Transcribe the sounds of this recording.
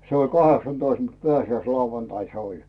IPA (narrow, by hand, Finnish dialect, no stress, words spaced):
se ol kɑheksɑntoist mut peæsiæislɑuʋɑntɑin se olʲ